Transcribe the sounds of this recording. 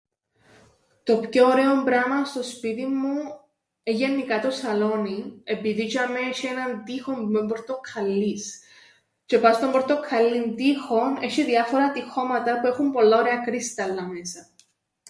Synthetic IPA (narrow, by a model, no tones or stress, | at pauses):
t̪o̞pço̞ːɾe̞o̞mbɾɐmɐst̪o̞spit̪imːu | eʝenːikɐt̪o̞sɐlo̞nie̞piðit͡ʃɐmːeʃie̞nɐnt̪ixo̞mmembo̞ɾt̪okʰɐlːis | t͡ʃe̞pɐst̪ombo̞ɾt̪o̞kʰɐlːint̪ixo̞ne̞ʃiðiɐfo̞ɾɐt̪ixo̞mɐt̪ɐpue̞xumpo̞lːɐoɾe̞ɐkɾist̪ɐlːɐme̞sɐ